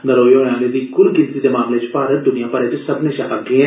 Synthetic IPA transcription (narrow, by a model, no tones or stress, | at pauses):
nɐɾoːjoːjãːled̪iɡʊɾɡɪnsid̪emaːmlet͡ʃpaːɾət̪̚d̪ʊnijãpɐɾet͡ʃsɐbneʃaɦaɡẽ